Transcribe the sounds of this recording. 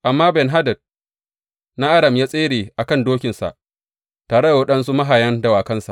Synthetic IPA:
ʔa˨mːaː˦bɛ˨nɦa˦dɐ˨d̚ | na˦ʔa˦dɐ˨mjaː˦sʼeː˦ɽeː˨ʔa˨kɐ˦˨ndoː˦kʲɪ˨nsa̰˨ʔ | taː˨ɽe˦da˨wɐ˦ɗɐ˦nsu˦ma˦ɦaː˨jɐ˦ndɐ˨waː˨kɐ˦nsa̰˨ʔ

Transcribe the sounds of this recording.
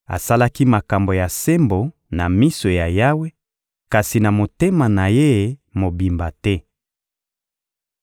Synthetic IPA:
a̰˨sa˦la˦ki˦ma˨ka˨mbo˨ja˨se˦mbo˨ | na˨mi˦so˨ja˨ja˦we˦ | ka˨si˨na˨mo˨te˦ma˨na˨je˦˨˦mo˨bi˨mba˨tɛ˦

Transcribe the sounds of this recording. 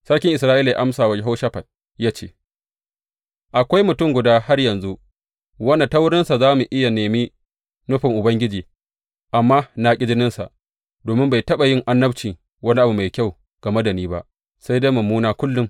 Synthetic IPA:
sɐ˦ɽkʲɪ˦ŋʔɪ˨sɾaː˦ʔiː˦la˨ja˦ʔa˦msaː˨wɐ˦d͡ʒɪ˦ɦa˦ʃa˦ɸɐ˨t̚ | jaː˦t͡ʃeː˦˨ | ʔa˨kʷa˦jmʊ˨tʊ˦˨ŋɡʷʊ˨daː˦ha˦rjɐ˨nzu˦ | wɐ˦na˨ta˦wʊ˦ɽɪ˦nsa˨zaː˦mu˨ʔɪ˦ja˨neː˨mi˦ | nʊ˦ɸɪ˨ŋʔʊ˨bɐ˦ŋɡʲɪ˦d͡ʒiː˨ | ʔa˨mːaː˦na˨kʲʼɪ˦d͡ʒɪ˦nɪ˦nsa̰˨ʔ | doː˨mɪ˦mba˨jtɐ˦ɓa˨jɪ˦ŋʔa˦nːɐ˦bt͡ʃiː˨ | wɐ˦ni˦ʔa˨bu˨ma˨jkʲa˦˨w | ɡ̥ɐ˨mɐ˦dɐ˨niː˦ba̰˦ʔ | sa˦jda˦jmɐ˨mːuː˦naː˦kʷʊ˦lːʊ˦m

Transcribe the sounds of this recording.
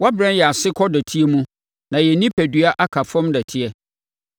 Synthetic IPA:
wa˦bɾɛ̃˦njɛ˨a˨sɪ˦kʰɔ˦dæ˨tʰi˦ɛ˦mũ˦ | nã˨jɛ˨nĩ˦pʰæ˨dɥa˦ʔa˦kʰa˨fɔ̃˦mdæ˨tʰi˦ɛ˦

